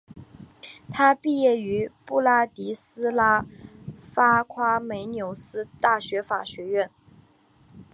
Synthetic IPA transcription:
t̪ʰa˥pi˥˧jɛ˥˩y˧˥pu˥˩la˥t̪i˧˥sɹ̩˥la˥ | fa˥kʰwa˥me˧˥ɪnjo˧˥ʊsɹ̩˥t̪a˥˩ɕɥɛ˧˥fa˨˩ɕɥɛ˧˥ɥɛ˥˩n

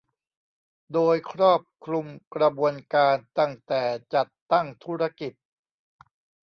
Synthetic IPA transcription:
doː˧jkʰɾɔː˥˩p̚kʰɾu˧mkɾa˧bu˧ənkaː˧nt̪a˥˩ŋt̪ɛː˨˩t͡ɕa˨˩t̪ːa˥˩ŋt̪ʰuː˦˥ɾa˧˥ki˨˩t̪̚

